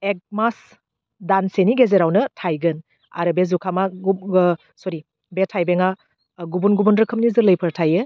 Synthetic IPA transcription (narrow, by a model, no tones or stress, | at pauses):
ek̚mas | danseniɡezeɾawnɯtʰajɡɯn | a̰ɾɯbezukʰama | sɔɾi | betʰajbeŋa | ɡubunɡubunɾɯkʰɯmnizɯɾlɯjpʰɯɾtʰajɯ